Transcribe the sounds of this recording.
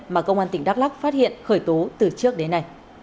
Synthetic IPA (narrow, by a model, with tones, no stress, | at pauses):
maː˨˩kə˧wŋ͡mʔaː˧nt̪ï˧˩ŋ̟ɗaː˦˥k̚la˦˥k̚faː˦˥t̚hḭ˧˨ənxəː˧˩jt̪o˨˦t̪ɨ˨˩t͡ɕɨ˦˥ək̚ɗe˨˦nːa˨˩j